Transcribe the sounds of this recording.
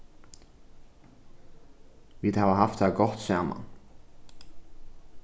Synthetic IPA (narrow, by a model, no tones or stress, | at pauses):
ʋiːðhaːʋəɦaft̪hæːɾɡɔt̪saːma̰n